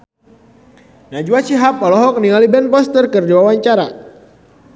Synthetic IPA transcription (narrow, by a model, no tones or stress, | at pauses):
nad͡ʒuasiɦapɔlɔɦɔk̚niŋalibɛnpɔst̪ərkərd͡ʒawawaɲt͡ʃaɾa